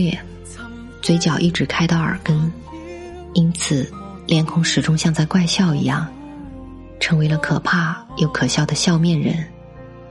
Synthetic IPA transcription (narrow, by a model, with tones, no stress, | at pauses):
jɛ˨˩ | t͡swe˧˥ɪt͡ɕjɑ˨˩ʊʔi˥˩ʈ͡ʂɻ̩˧˥kʰa˥ɪt̪ɑ˥˩ʊə̰˞˨˩kə˥n | i˥nt͡sʰɹ̩˨˩ | ljɛ˧˥nkʰʊ˧˥ŋʂɻ̩˨˩ʈ͡ʂʊ˥ŋɕjɑ˥˧ŋt͡sa˥˧ɪkwa˥˧ɪɕjɑ˥˩ʊḭ˧˥jɑ˥˩ŋ | ʈ͡ʂʰɤ˧˥ŋwe˧˥ɪlə˧kʰɤ˨˩pʰa˥˩jo˧˥ʊkʰɤ˨˩ɕjɑ˥˩ʊd̪ə˩ɕjɑ˥˧ʊmjɛ˥˩nɻə̰˧˥n